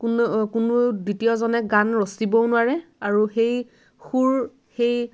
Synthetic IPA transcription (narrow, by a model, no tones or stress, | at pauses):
kunkunuditijɔzɔnɛɡanɹɔstibɔnʊwaɹɛaɹuxej | xuɹ | xej